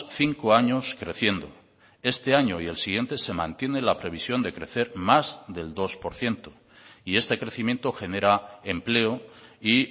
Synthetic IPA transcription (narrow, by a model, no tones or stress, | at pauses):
θiŋkoaɲo̞skɾe̞θje̞nd̪o̞̰ | e̞st̪e̞aɲo̞ie̞lsiɣje̞nt̪e̞se̞mã̰nt̪je̞nelapɾe̞β̞isjo̞nd̪e̞kɾe̞θe̞ɾmazd̪e̞ld̪o̞spo̞ɾθje̞nt̪o̥ | ie̞st̪e̞kɾe̞θimjẽ̞nt̪o̞xe̞ne̞ɾae̞mple̞oi